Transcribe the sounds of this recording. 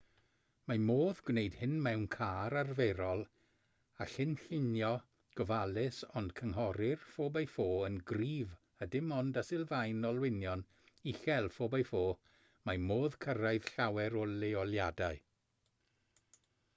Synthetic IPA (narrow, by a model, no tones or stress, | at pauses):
mamoːðɡ̥wneɨd̥hɪnmɛwnkʰaːɾarveɾɔlˠ | aɬɪnɬɪnjɔ | ɡ̥ɔvalˠɪsɔnd̥kʰəŋɦɔɾɪrfoːbajfoːənɡriːv | ədɪmɔndasɪlˠvajnɔlˠwɪnjɔn | ixɛlˠfoːbajfoː | mamoːðkʰəɾaɨð̥ɬawɛɾɔlɪɔljadaɨ